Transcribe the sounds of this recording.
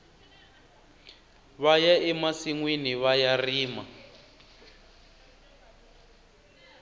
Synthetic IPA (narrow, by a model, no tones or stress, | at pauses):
βajaʔɛmasiŋwiniβajariːma